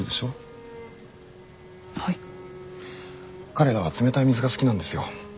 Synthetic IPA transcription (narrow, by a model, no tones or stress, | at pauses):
id̪e̞ɕo̞ː | hai | kaɾe̞ɾaβ̞at͡sɨme̞t̪aimʲizɨɡasɨ̥kʲinãnd̪e̞sɨjo̞̰